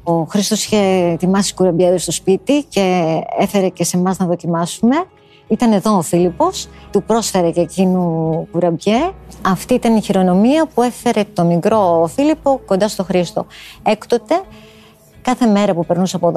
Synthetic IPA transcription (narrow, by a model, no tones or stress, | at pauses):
o̞xɾist̪o̞siçe̞t̪imɐsi̥kuɾɐbʝɐðest̪o̞spit̪ice̞efe̞ɾe̞cese̞mɐznɐðo̞cimɐsume̞ | it̪ɐne̞ðo̞ːfilipo̞st̪upɾo̞sfe̞ɾececinukuɾɐbʝeɐft̪iit̪ɐniçiɾo̞no̞miɐpue̞fe̞ɾe̞t̪o̞mikɾo̞filipo̞kond̪ɐst̪o̞xɾist̪o̞̰e̞kt̪o̞t̪e̞ | kɐθe̞me̞ɾɐpupe̞ɾnusɐpoð